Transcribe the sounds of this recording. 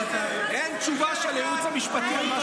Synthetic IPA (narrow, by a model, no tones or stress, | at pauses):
ent͡ʃuvaʃaleut͡samiʃpat̪im